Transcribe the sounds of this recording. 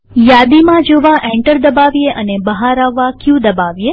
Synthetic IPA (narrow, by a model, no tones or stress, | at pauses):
jad̪imãd͡ʒoʋãʔɛ̃ɳʈəɾd̪əbaʋijeʔənebəɦaɾaʋːakjũd̪əbaʋje